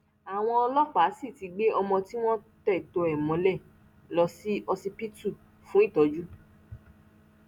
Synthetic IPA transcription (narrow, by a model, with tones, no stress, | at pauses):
a˨w̃ɔ̃˧ɔ˧lɔ˦k͡pa˨˦si˦˨ti˨˧˦ɡ͡be˦ɔ˧mɔ̃˧ti˦w̃ɔ̃˦tɛ˦˨to˧ɛ˨mɔ̃˨˧˦lɛ˦˨ | lɔ˧si˦ɔ˧si˧pi˦tu˦˨ | fũ˦i˦˨tɔ˨˦d͡ʒu˦